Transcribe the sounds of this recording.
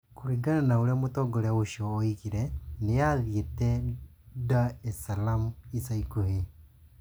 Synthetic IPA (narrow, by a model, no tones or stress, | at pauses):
koɾiɡananaoɾeamotɔɡɔɾeaoʃɔːikiɾɛnejaðietɛ | daesalamisaikohe